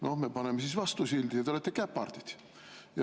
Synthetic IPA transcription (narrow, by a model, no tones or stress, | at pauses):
nohmepɑnemːesisʋɑst̪usild̪ijɑt̪eolet̪ːekæpːɑrt̪it̪ | jɑ